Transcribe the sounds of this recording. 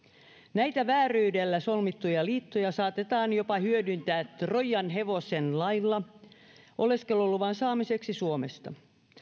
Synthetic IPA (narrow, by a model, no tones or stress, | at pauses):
næit̪æʋæːryydelːæsolmit̪ːujɑliːt̪ːojɑsɑːt̪et̪ɑːnjo̞pɑhyødynt̪æːt̪rojːɑnɦe̞ʋo̞senlɑjlːɑ | ʔoleskelolːuʋɑnsɑːmise̞ksisuomest̪ɑ̰